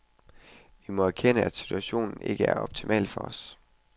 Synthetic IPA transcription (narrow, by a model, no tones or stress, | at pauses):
ʋimɒ̽æɐkʰenəæd̥si̥t͡sʰuæɕo̝̰ːnn̩e̝ɡ̥əæɐɒ̽b̥̚t͡sʰimʔɛ̰ːl̥fɒ̽ɒs